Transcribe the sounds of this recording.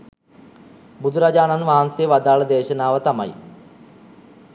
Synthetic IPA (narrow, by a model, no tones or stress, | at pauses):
bud̪ʱuɾad͡ʑaːnanʋaɦansejəʋad̪aːɭəd̪eːɕənaːʋət̪ɐmɐ̰j